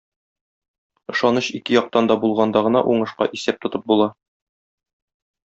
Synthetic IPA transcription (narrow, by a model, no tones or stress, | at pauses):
ɤ̆ʃɑnɤɕikɘjɒq̚t̪ɑnd̪ɒbulˠʁɑnd̪ɑʁɤ̆nɑ̰ʔuɴɤ̆ʃqɑ̰ʔisæp̚t̪ŏt̪ɤp̚bulˠɑ